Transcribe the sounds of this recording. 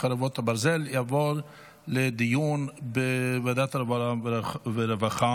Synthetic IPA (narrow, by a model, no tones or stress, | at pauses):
aɾevɔt̪habaɾzɛljavoɾ | led̪ijunbevad̪at̪aɾevaaveɾevaχa